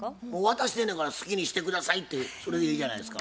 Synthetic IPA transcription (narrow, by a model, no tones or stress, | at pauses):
moːβat̪aɕi̥d̪e̞nokaɾasɨ̥kʲiɲ̟iɕi̥t̪e̞kɯd̪asait̪ːe̞so̞ɾe̞ɡeiːʑana̰id̪esɨ̥ka